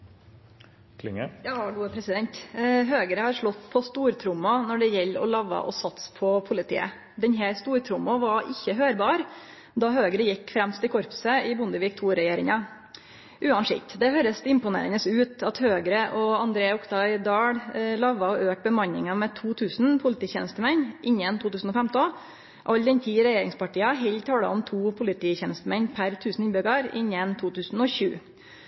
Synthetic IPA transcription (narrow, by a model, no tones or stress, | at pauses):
kʰlɪ̰ŋəjɑːɡuːpʰɾɛsɪd̪ɛnt̪ɦøːɡəɾəhɑɾʂɭɔt̪ːpʰɔst̪uːɾt̪ʰɾʊmːɔnɔɖɛjɛlːɔ̰lɑʋɑ̰ʔɔ̰sɑt̪spʰɔpʰʊlɪt̪ʰḭːə̰ | d̪ɛnɦæɾst̪uːɾt̪ʰɾʊmːɔʋɑʔɪçːəɦøːɾbɑːɾ | d̪ɑhøːɡɾəjɪkːfɾɛmst̪ɪkʰɔɾpsəɪbʊnd̪əʋiːk̚t̪ʰuːɾɛjeːɾɪŋɑ | ʔʉːɑnʂɪ̰kt̪d̪ɛhøːɾəsɪmpʊnḛːɾənəsʉːt̪ɑt̪høːɡɾəʔɔɑnd̪ɾeːɔkt̪ʰɑɪd̪ɑːɽlɑʋɑɔʔøːk̚bəmɑɲːɪŋɑmɛt̪ʰuːt̪ʰʉːsn̩pʰʊlɪt̪iːçɛnəst̪əmɛnʔɪɲːənt̪ʰuːt̪ʉːsn̩ɔfɛmt̪ɔn | ʔɑld̪ɛnt̪ʰiːɾɛjeːɾɪŋspɑʈiːɑɦɛlt̪ʰɑːlɑ̰ɔmt̪ʰuːpʰʊlɪt̪ʰiːçɛnəst̪əmɛnpʰæɾt̪ʰʉːsn̩ɪnbʏɡɑɾɪ̰ɲːənt̪ʰuːt̪ʉːsn̩ɔɕʉ̰ː